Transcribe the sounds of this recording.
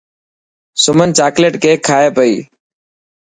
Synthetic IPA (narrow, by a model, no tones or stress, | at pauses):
sʊmənt͡ʃaːkleːʈkʰeːkʰaːeːpəiː